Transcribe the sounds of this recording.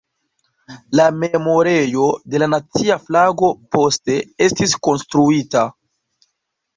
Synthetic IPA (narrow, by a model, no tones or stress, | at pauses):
lame̞mo̞ɾe̞jo̞de̞lanat͡siaflaɡo̞po̞ste̞e̞stisko̞nstɾuita